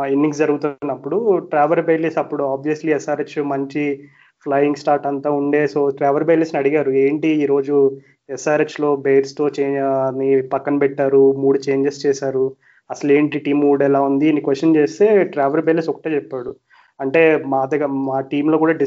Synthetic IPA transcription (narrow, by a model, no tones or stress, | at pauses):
inːiŋsd͡ʒɐɾuɡut̪unːɐpːuɽuʈɾaːʋɐɾbeːlisɐpːuɽuaːbʋijɐsliɛsaːɾet͡ʃmɐɲt͡ʃi | pʰlɐjiŋɡsʈaːɾʈɐnt̪aːuɳɖe̞ːso̞ːʈɾaːʋɐɾbejlisnɐɽiɡaːɾueːɳʈiiːɾo̞ːd͡ʒu | ɛsaːɾet͡ʃlo̞ːbejɾst̪o̞ːt͡ʃeːɐnːipɐkːɐnupɛʈːaːɾumuːɽut͡ʃeːɲd͡ʒest͡ʃɛːsaːɾu | ɐsɐleːɳʈiʈiːmuːɽɛlaːund̪iɐnikʋesʈːɐnt͡ʃeːst̪e̞ːʈɾaːʋɐɾbejlisɔkɐ̥ʈeːt͡ʃɛpːaːɽu | ɐɳʈe̞ːmaːd̪ɐɡɐmaːʈiːmloːkuːɽaːɖi